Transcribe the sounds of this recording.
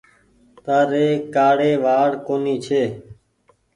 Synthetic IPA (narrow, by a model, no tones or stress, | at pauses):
t̪aːɾeːkaːɽeːʋaːɽkoːniːt͡ʃʰeː